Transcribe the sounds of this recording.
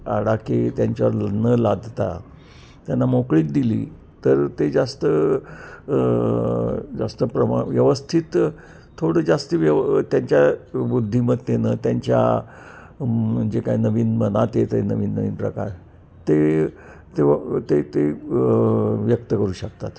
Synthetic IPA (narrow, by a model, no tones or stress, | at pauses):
a̰ɽaket̪jaɲt͡ɕaʋɾnəlad̪ʱt̪a̰ | t̪janːamokɭiːt̪̚d̪ilḭː | t̪əɾt̪ed͡zast̪ə | d͡zast̪əpɾəma̰ʋjəʋəst̪ʰit̪ʰː | oɽəd͡zast̪iʋjət̪jaɲt͡ɕjabud̪ʱːiməd̪̚t̪enət̪jaɲt͡ɕja̰ | d͡ʑekainəʋiːnmənat̪et̪əjnəʋiːnːəʋiːnpɾə̰kaɾ | t̪e | t̪et̪et̪e | ʋjək̚t̪əkəɾuːɕək̚t̪at̪